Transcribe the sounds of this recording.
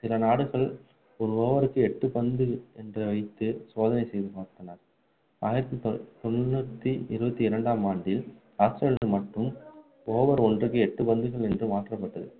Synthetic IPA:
sɪlɐnaːɽɯɣɐɭ | ɔɾɯoːʋɐɾɯkːɯɛʈːɯpɐnd̪ɯɛndrɐʋɐɪt̪ːɯsoːðɐnɐɪsɛjðɯpaːɾt̪ɐnaːɾ | aːjɪɾɐt̪ːit̪ɔmɾnuːt̪ːiɪɾɯbɐt̪ːiɪɾɐɳɖaːmaːɳɖɪl | aːsʈɾɐɭɯmɐʈːɯm | oːʋɐɾɔndrɯkːɯɛʈːɯpɐnd̪ɯɣɐɭɛndrɯmaːʈrɐpːɐʈːɐðɯ̰

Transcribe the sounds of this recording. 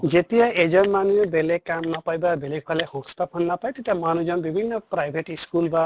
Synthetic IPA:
d͡ʒet̪iaed͡ʒɔnmanuebelekamnɔpajbabelekʰalehost̪ɔpʰɔnːapajt̪et̪iamanud͡ʒɔnbibʱinːɔpɾajbʱeʈiskulba

